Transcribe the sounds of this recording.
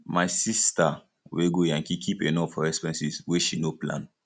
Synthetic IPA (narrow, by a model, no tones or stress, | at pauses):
maɪsista | weɡojãŋkikʰipenɔfɔɹɛspɛ̃nsisweʃinoplã̰n